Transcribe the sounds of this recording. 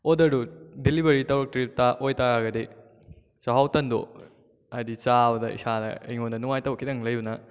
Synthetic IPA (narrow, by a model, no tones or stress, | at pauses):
odɐɾudilibɐɾitɐwɾuk̚tɾip̚taʔojtaɾaɡɐde | t͡ʃaɦawtɐndo̰ | ajdit͡ʃabɐdɐḭsanɐ̰ḛjŋondɐnuŋajtɐwkʰidɐŋlɐjunɐ